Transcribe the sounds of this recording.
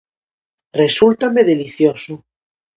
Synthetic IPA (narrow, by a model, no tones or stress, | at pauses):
result̪ameðeliθjoso